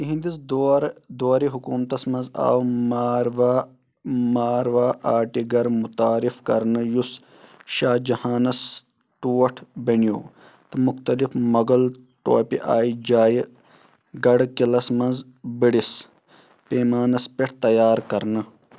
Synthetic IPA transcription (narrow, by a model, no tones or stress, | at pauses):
t̪ɦĩnd̪isd̪oɾd̪oːɾiɦukuːmt̪ɐsmɐnza̰ːwmaːɾʋaː | maːɾʋaːʔaːʈiɡɐɾmut̪aːɾifkɐɾnɐjus | ʃaːd͡ʒɐhaːnɐs | ʈuːɐʈʰbɐnijoː | t̪ɨmuxt̪ɐlifmɐɡɐl | ʈo̰ːpḭʔaːid͡ʒaːji | ɡɐɽkilɐsmɐnz | biɽis | peːmaːnɐspeʈ̚ʰt̪ɐjaːɾkɐɾnɐ